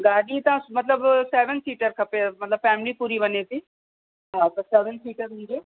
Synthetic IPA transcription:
ɡaːɽiːt̪ãːmət̪ləbsɛːʋənsiːʈəɾkʰəpemət̪ləbfʰɛːmliːpuːɾiːbəneːt̪iː | ɦãːt̪əsɛːʋənsiːʈəɾnĩeː

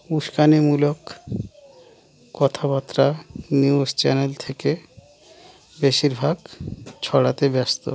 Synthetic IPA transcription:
uʃkanemulok | ɔt̪ʰapat̪ːɾaniust͡ɕɛnelt̪ʰeke | beʃiɾbʱaɡt͡ɕʰɔɽat̪ebɛst̪o̰

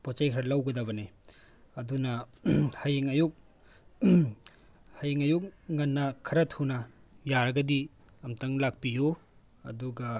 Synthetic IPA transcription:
pɔt͡ʃajkʰɾɐlawɡɐdabɐne | ɐdunɐhajiŋɐjuk̚ | hajiŋɐjuk̚ŋɐnːɐkʰɐɾɐtʰhunɐ | jaɾɐɡɐdi | ɐmtaŋlak̚piju | ɐ̰duɡɐ

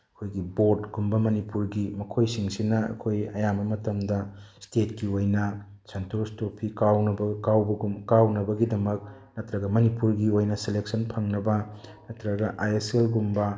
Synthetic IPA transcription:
ɐkʰojɡibotɡumbɐmɐnipuɾɡimɐkʰojsiŋsinɐɐ̰kʰojɐjambɐmɐtɐmdɐstetkiojnɐ | sentʰostopʰikawnɐbɐkawbɐɡukawnɐbɐɡidɐmɐk̚ | nɐtɾɐɡɐmɐnipuɾɡiojnɐseleksɐnpʰɐŋnɐbɐnɐtɾɐɡɐʔajeselɡumbɐ

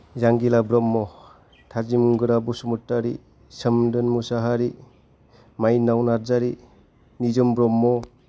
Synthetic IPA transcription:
zaŋɡilabɾɔmːɔ | tʰazimuŋɡɯɾabusumutːaɾi | sɯmdɯnmusaɦaɾi | majnawnaɾzaɾi | nizɯmbɾɔmːɔ

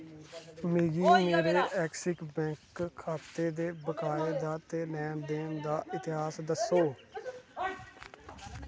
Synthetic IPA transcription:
mɪːɡiːmeːɾeːʔɛːksɪkbɛ̃ːŋkʰːaːt̪eːd̪eːbəkaːeːd̪aːt̪eːnɛːmd̪eːmd̪aːʔɪt̪ɪɦaːsd̪əsoː

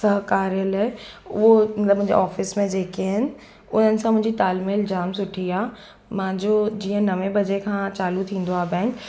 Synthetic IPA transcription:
sɐɦkaːɾijəlɦɛʊomɐt̪ləbmʊ̃ɦɪ̃ɲd͡ʑḛaːfɪsmẽd͡ʑeːkeɦɪnɪ̆ | ʊn̤ənɪ̆sãmʊ̃ɦɪ̃ɲd͡ʑit̪aːlmild͡ʑaːmsʊʈʰijaː | mãːd͡ʑod͡ʑiːə̃nɐʋẽbɐd͡ʑekʰãːt͡ɕaːlut̪ʰĩːn̆d̪oaːbɛ̃ːŋk

